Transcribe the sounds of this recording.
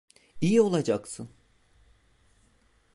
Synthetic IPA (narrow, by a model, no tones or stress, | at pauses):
ijio̞lˠad͡ʒaksɯn